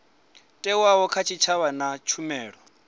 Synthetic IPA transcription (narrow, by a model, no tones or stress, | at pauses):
tʼɛwaɦɔkʰat͡ʃʰit͡ʃʰaβanat͡ʃʰumɛːɺɔ